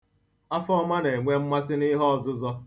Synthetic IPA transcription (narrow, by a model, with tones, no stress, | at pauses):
a˦fɔ˦ma˦ne˨ŋʷe˦m̩˦ma˦sɪ˦nɪ˦ɦɔ˦ɔ˨zʊ˦zɔ˦